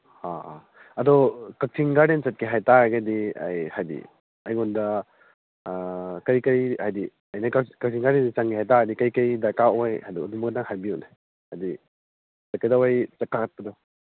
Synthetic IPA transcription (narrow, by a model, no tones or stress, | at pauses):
ha | ɐdɔkɐk̚tʰiŋɡaɾdent͡ʃɐt̚kʰiɦajtaɡɐdiɐ̰jhajdḭ | ɐjɡɔndɐ | kɐɾjkɐjhajdi | ɐjnɐkakɐk̚tʰiŋɡaɾdendit͡ʃaŋɡiɦajtaadikɐjkɐjdakaojha̰jdɔdumɐkɐdaŋɦajbiuna | hajdi | sakajdawajt͡ʃakːakɐt̚pɐdɔ